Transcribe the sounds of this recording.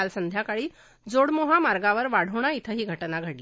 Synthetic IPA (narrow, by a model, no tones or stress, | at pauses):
alsənd̪ʱjakaɭiː | d͡zoɽmoɦamaɾɡaʋəɾʋaɽ̤əʋɳ̃ait̪ʰəɦiːɡʱəʈnaɡʱəɽli